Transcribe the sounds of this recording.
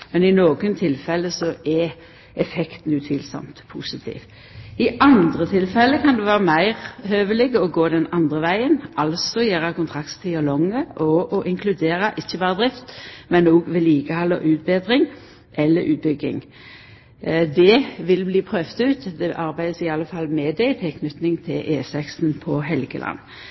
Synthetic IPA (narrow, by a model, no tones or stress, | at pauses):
mɛnɪnoːɡənt̪ʰɪlfɛlːəsɔʔɛ | ɛfɛkt̪n̩ʉt̪ʰiːlsɔ̰mt̪pʰusɪt̪ʰḭːʋ | ɪʔɑnd̪ʁət̪ʰɪlfɛlːəkʰɑnd̪ʉʋæːʁəmæɪʁhøːʋəlɪɡəɔɡoːd̪ɛnɑnd̪ʁəʋæɪənʔɑlsɔjæːɾɑkʊnt̪ʰʁɑkt̪t̪ʰːɪɑlɔŋːəʔɔʔɔʔɪŋkʰlʉd̪eːʁɑʔɪçːəbɑːʁəd̪ɾɪft̪mɛnːoːɡʋɛliːɡəhɑlːə̰ʔʉːt̪̚beːd̪ʁɪŋ | ʔɛlːəɾʉ̰ːt̪̚bʏɡɪ̰ŋ | d̪ɛʋɪlbliːpʰɾøːʋt̪ʉːt̪d̪ɛʔɑɾbæɪd̪əsɪɑlːəfɑlmɛd̪æɪt̪ʰɛkʰnʏt̪nɪŋt̪ʰɪlʔeːsɛksnpʰɔɦɛlɡə̰lʔɑ̰nː